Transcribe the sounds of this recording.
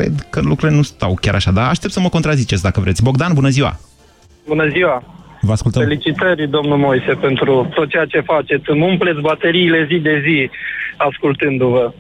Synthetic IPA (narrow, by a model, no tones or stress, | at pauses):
vḛd̪kəlukɾuɾile̞nust̪a̰wkʲaɾʔaʃad̪aːʃt̪e̞pt̪səməkont̪ɾazit͡ʃetsʲd̪akəvɾet̪ʲbo̞ɡ̚d̪anbunəziwa̰ | bunəziwavəaskult̪əelit͡ʃit̪ərʲd̪o̞mnulmojse̞pe̞nt̪ɾut̪ot̪̚t͡ʃejat͡ʃe̞fat͡ʃe̞t̪sʲɨmumplet̪sʲbat̪eɾiːle̞zid̪e̞ziaskult̪ɨnd̪uvə